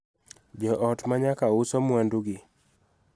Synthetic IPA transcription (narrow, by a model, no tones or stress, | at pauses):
d͡ʒɔʔɔtmaɲakaʊsɔmwanduɡɪ